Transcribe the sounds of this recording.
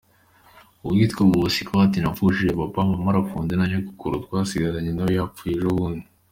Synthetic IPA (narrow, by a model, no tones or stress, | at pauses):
uβɡiːtkoɡuβusikaatinafuʃiʒepapamamaɾafuːndenaɲoku̥kuɾutwasiɡaɾaɲenajojapfujeʒoβuːndi